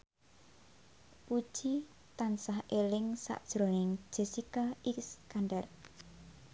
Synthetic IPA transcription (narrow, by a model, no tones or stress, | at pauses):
pud̥ʒ̥i | t̪ansahelɪŋsa̰ʔd̥ʒ̥ɾonɪŋ̥ʒ̥e̤sikaikskanɖɛr